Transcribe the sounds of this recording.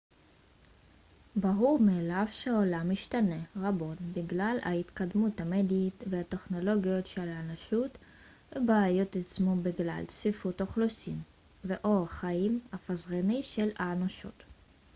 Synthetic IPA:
baʁuʁmeːlavʃeolamiʃtane̞ʁabo̞tbiɡlala̰it̪kad̪muthamed̪itveate̞χno̞lo̞ɡijo̞tʃelaːnaʃut | vebaːjo̞t̪at͡smobiɡla̰lt͡sfifutoχlusin | veʔoʁχaimafazʁeniʃe̞laːnoʃo̰t̪

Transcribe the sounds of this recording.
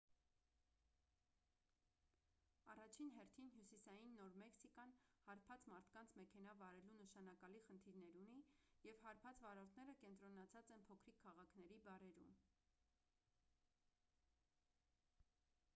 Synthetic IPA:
ɑrɑt͡ʃʰinɦɛrt̪ʰinɦjusisɑjinːɔɾmɛksikɑnhɑɾpʰɑt͡smɑɾt̪ʰkɑnt͡sʰmɛkʰɛnɑvɑɾɛlunəʃɑnɑkɑliχənt̪ʰiɾnɛɾunijɛvhɑɾpʰɑt͡svɑɾɔɾt̪ʰnɛɾəkɛnt̪ɾɔnɑt͡sʰɑt͡sɛnpʰɔkʰɾikʰːɑʁɑkʰnɛɾibɑɾɛɾṵm

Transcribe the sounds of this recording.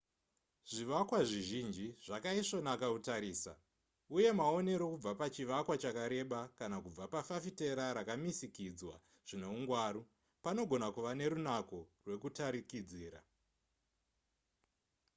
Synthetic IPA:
ʐ̥iʋakwaʐiʒind͡ʒiʐ̥akaiʂo̞nakautaɾiːsa̰ | uje̞mao̞ne̞ɾo̞kub͡vapat͡ʃiʋakwat͡ʃakaɾe̞ɓakanakub͡vapafafite̞ɾaɾakamisikid͡zwa | ʐ̥ine̞uŋɡwaːɾu | pano̞ɡʱo̞nakuʋane̞ɾunako̞rwe̞kutaɾikid͡ziːɾa̰

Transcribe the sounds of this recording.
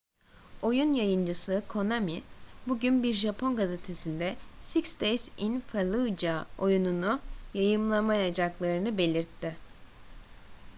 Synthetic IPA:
o̞junjajɯnd͡ʒɯsɯkʰo̞namibuɟynbiɾʒapʰo̞nɡaze̞t̪ʰe̞sind̪ɛsikst̪ejsinfalˠud͡ʒao̞jununujajɯmlˠamajad͡ʒaklˠaɾɯnɯbe̞lʲiɾt̪ʰːɪ

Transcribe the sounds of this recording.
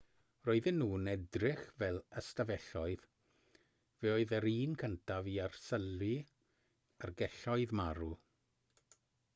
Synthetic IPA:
roːɨðɪnːuːnɛdrɪχvɛlˠəstavɛɬɔɨð | vɛoːɨðəɾiːnkʰəntʰaviarsəlwɪ | ərɡɛɬɔɨðmaɾu

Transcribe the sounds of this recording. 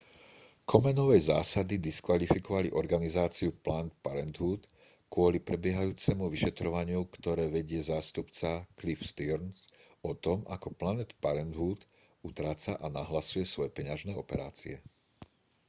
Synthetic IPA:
kʰɔmɛnɔʋɛjzaːsad̪id̪iskʋalifikɔʋaliʔɔɾɡanizaːt͡siuplant̪̚paɾɛnd̪ɦuːt̪ | kʊɔlipɾɛbɪɛɦajuːt͡sɛmuʋiʃɛt̪ɾɔʋaɲɪukt̪ɔɾɛːʋɛɟɪɛzaːst̪upt͡saklifst̪iɾnsɔt̪ɔma̰kɔplanɛt̪paɾɛnd̪ɦuːt̪ | ut̪ɾaːt͡saʔanaɦlasujɛsʋɔjɛpɛɲaʒnɛɔpɛɾa̰ːt͡sḭɛ

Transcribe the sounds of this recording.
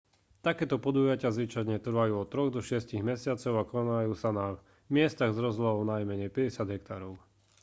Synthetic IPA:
t̪akɛːt̪ɔpɔd̪uːjacɪazʋit͡ʃad̪ɲɛt̪r̩ʋajuːɔt̪ɾɔɣd̪ɔʃɪɛsciɣmɛsɪat͡sɔʊakɔnajuːsana | mɪɛst̪aɣzɾɔzlaɦɔʊnajmɛɲɛjpɛɟɛsɪad̪ɦɛk̚t̪aːɾɔʊ

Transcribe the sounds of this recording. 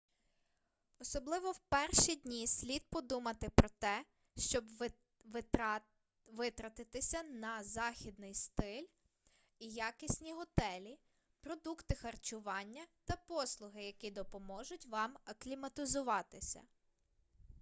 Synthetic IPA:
ɔsɔblˠɪʋɔwpɛrʃid̪ʲnʲisʲlʲid̪̚pɔd̪umɐt̪ɪpɾɔt̪ɛ | ʃt͡ʃɔb | ʋɪt̪ɾɐt̪ɪt̪ɪsʲɐnɐzɑxʲid̪̚nɪjst̪ɪlʲ | ijɑkɪsʲnʲiɦɔt̪ɛlʲi | pɾɔd̪ukt̪ɪxɐrt͡ʃʊʋɑnʲːɐt̪ɐpɔslˠʊɦɪjɐkʲid̪ɔpɔmɔʒʊtʲʋɑmɐklʲimɐt̪ɪzʊʋɑt̪ɪsʲɐ̰

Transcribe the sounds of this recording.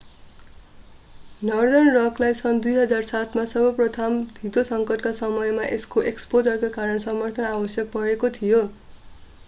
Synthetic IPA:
nʌrd̪ʌnrʌklajsʌnd̪ujɦʌd͡zarsat̪ʰmasʌbʌprʌt̪ʰamd̪ʱit̪osʌŋkʌʈkasʌmʌjmaʔeskoʔekspod͡zʌrkakaɾʌnsʌmʌrt̪ʰʌnabʌsjʌk̚pʌɾekot̪ʰijo

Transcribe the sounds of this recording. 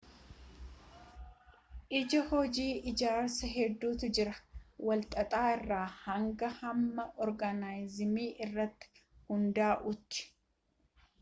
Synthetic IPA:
ʔɪd͡ʒɐhɔd͡ʒiːʔɪd͡ʒaːɾsɐɦɛd̪ːuːt̪ʊd͡ʒɪɾɐwɐlt̪ʼɐt̪ʼaːɪrːaːhɐŋɡɐhɐmːɐʔɔɾɡɐnaːjzɪmiːʔɪrːɐt̪ːɪ̥hʊnd̪aːʔʊt̪ːɪ̥

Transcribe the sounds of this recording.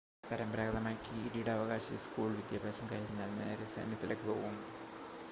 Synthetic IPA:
pɐɾɐmpɾaːɡðɐmaːjkʲːiiɽijiɽeɐʋɐɣaːɕɐskuːɭʋid̪jaːbʱaːɕɐmkaːjikʲiɲːaːlnḛːɾesḛːnjɐt̪ːilekːɨpo̞̰ːɣumː

